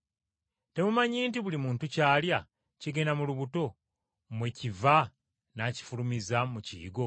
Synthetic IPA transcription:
te̞mumaɲiːntiβulimuːntucaːlja | ciɡe̞namuluβuto̞ | mweciva | naci̥fulumizamucḭḭɡo

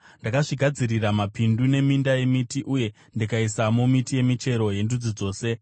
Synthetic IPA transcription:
ndakaʐiɡʱad͡ziɾiramapindune̞mindaje̞mitiʔuje̞ | ndikaisamomitije̞mit͡ʃe̞ɾo̞je̞ndud͡zid͡zo̞ːse̞

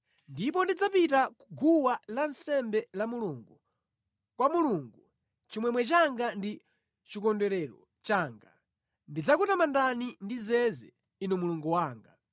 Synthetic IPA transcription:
ndip̬ɔndid͡zapitaku̥ɡuwalansɛmbɛlamuluŋɡu | kwamuluŋɡu | t͡ʃimwɛmwɛt͡ʃaŋɡandi | t͡ʃikɔndɛɾɛɾɔ | t͡ʃaːŋɡa | ndid͡zakutamandanindizɛzɛ̰ | inumuluŋɡuwaːŋɡa

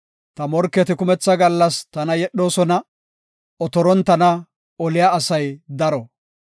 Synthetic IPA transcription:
t̪ɐmɔɾkːɛt̪ɪkʊmɛt͡sːɐɡɐlːɐst̪ɐnɐjɛɗːo̞ːsɔnɐ | ɔt̪ɔɾɔnt̪ɐnɐ | ɔlɪjaːsɐjd̪ɐɾɔ

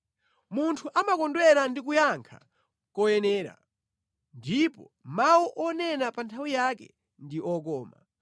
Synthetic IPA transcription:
muntʰuʔamakɔndwɛɾandik̬ujaŋkʰa̰ | kɔjɛnɛːɾa̰ | ndipɔ̰ | mawuʔɔnɛnapantʰawijakɛ̰ | ndiʔɔk̬ɔːma̰

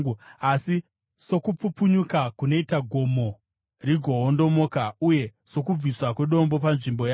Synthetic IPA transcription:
asi | so̞kup͡fupuɲukakuno̞itaɡʱo̞mo̞ | riɡʱo̞ɦondo̞mo̞ːkauje̞so̞kub͡viswakwe̞ɗo̞mbo̞panʐimbo̞ja

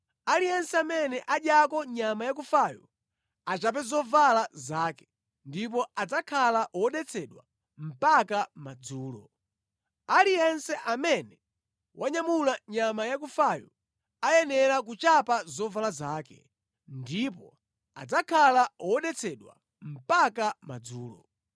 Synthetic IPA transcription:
alijɛnsɛamɛnɛʔaɗjakɔɲamajak̬ufajṵ | at͡ʃap̬ɛzɔvalazaːkɛ̥ | ndip̬ɔad͡zakʰalaʔwɔɗɛt͡sʰɛɗwa | m̩pakamad͡zuːlɔ̰ | alijɛnsɛʔamɛnɛ | waɲamulaɲamajak̬ufajṵ | ajɛnɛɾak̬ut͡ʃapazɔvalazaːkɛ̰ | ndipɔ | a̰d͡zakʰalawɔɗɛt͡sʰɛɗwa̰ | m̩pakamad͡zuːlɔ̰

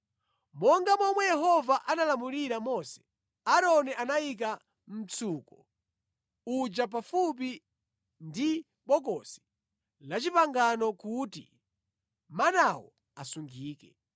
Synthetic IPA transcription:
mɔŋɡamɔmwɛjɛɦɔvaʔanalamuliɾamɔsɛ̥ | aɾɔniʔanajik̬a | m̩t͡sʰuːkɔ | ud͡ʒap̬afup̬i | ndi | ɓɔk̬ɔsi̥ | lat͡ʃipaŋɡanɔkutḭ | manawɔ̰ | asuŋɡiːkɛ

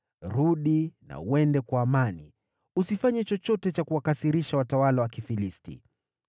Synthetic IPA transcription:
ɾuɗina̰uɛndɛkwaːmanḭ | usifaɲɛt͡ʃɔt͡ʃɔtɛt͡ʃakuwakasiɾiʃawatawalawakifilistḭ

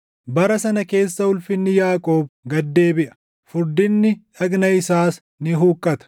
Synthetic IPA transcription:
bɐɾɐsɐnɐke̞ːsːɐʊlfɪnːɪjaːkʼo̞ːb̚ɡɐd̪ːe̞ːbɪʔɐ̥ | fʊɾd̪ɪnːɪᶑɐɡnɐɪsaːs | nɪɦuːkʼːɐt̪ɐ̥

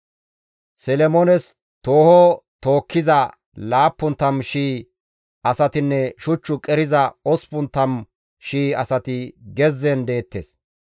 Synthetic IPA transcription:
sɛlɛmɔnɛs | t̪o̞ːhot̪o̞ːkʰːɪzɐ | laːpːʊnt̪ːɐmʃiː | ʔɐsɐt̪ɪnːɛʃʊt͡ʃːʊkʼɛɾɪzɐɔspʊnt̪ːɐm | ʃiːɐsɐt̪ɪɡɛzːɛnd̪e̞ːt̪ːḛːs

